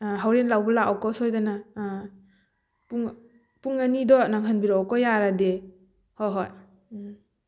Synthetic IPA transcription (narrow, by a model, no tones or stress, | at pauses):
ɦawɾenlawbɔlaʔɔkɔsɔjdana | puŋ | puŋanidɔnaŋɦɯnbiɾɔkɔjaɾade | hɔɦɔj